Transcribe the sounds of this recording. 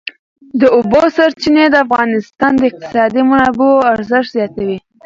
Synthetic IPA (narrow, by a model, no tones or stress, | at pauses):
d̪əʊbosaɾt͡ʃined̪əafɣɑnɪst̪ɑnd̪əɪq̚t̪ɪ̥sɑd̪imanɑboaɾzəʃt̪zjɑt̪awi